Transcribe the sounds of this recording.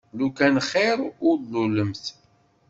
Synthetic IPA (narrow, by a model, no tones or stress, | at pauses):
lukænχɪɾˤʊɾluləmθ